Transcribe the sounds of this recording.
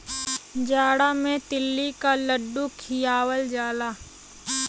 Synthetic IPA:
d͡ʒaːɽamẽt̪ɪlːikaləɖːukʰijaːwəld͡ʒaːlaː

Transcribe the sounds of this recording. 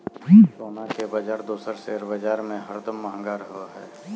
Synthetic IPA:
isoːnakebɐd͡ʒaːɾd̪oːsəɾseɾbəd͡ʒaːɾmẽɦəɾt̪əmːaːɦə̃ŋɡaːɾɦoaɦɛː

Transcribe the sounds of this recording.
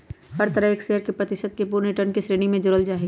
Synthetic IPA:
hɐɾt̪əɾəɦeːkseːəɾkepɾɐt̪ɪʃəd̪̚kepuːɾniʈənkesɾeːɽimẽd͡ʒʊɾəld͡ʒaːɦi

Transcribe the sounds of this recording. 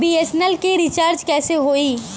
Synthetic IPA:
biːesnɛlkiɾit͡ʃaːɾd͡ʒkɛːseɦoːiː

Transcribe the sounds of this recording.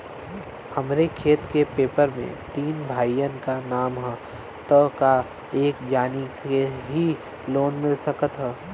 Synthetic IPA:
hɐmɾekʰeːt̪kepeːpəɾmḛ̃t̪iːnbʱaːijənkanaːmɦɛ | t̪əka | eːkd͡ʒaːnikeɦi | loːnmɪlsəkət̪ɦɛ

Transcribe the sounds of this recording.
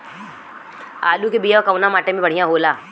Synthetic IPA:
a̰ːlukebijaɔkɐʋnamaːʈemẽbɐɽ̤ijãɦoːlaː

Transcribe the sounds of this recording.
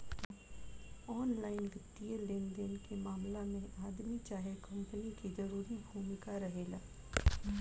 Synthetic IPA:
ɔːnlaːɪnʋɪt̪ːijelɪnd̪ənkemaːmlamẽʔaːd̪mit͡ʃaːɦekɐ̃mpənikizɐɾuːɾibʱuːmɪkaɾɐɦeːlaː

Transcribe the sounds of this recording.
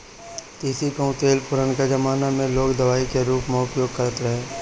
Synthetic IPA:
t̪iːsikɐũt̪eːlpʊɾənkad͡ʒəmaːnamẽloːkd̪ɐʋaːikeɾuːpmɔːʊkjoːɡ̚kəɾət̪ɾɐɦeː

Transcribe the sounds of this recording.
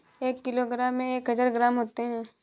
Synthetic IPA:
eːkːɪloɡɾaːmːẽeːkɦəd͡ʒaːɾɡɾaːmɦoːt̪eɦɛ̃ː

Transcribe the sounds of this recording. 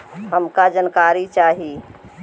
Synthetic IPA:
həmkad͡ʒənkaːɾit͡ʃaːɦi

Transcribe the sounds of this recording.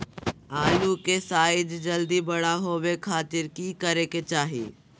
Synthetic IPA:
aːlukesaːɪd͡ʒd͡ʒəld̪ibɐɽaɦoːʋekʰaːt̪ɪɾkikəɾeket͡ʃaːɦḭ

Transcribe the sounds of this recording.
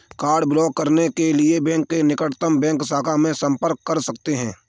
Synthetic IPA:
kaːɾɖblɔːɡ̚kəɾnekelɪebɛ̃ːŋkːenɪkəʈt̪əmbɛ̃ːŋksaːkʰamẽsɐ̃mpəɾkːɐɾsɐkt̪eɦɛ̰̃ː

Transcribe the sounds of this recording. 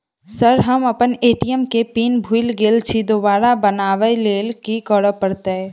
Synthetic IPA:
səɾɦəmɐpəneːʈijəmkepiːnbʱuɪlɡeːlt͡ʃʰid̪obaːɾabənaːʋəileːlkikɔɽəpəɽt̪eɛ̃ː

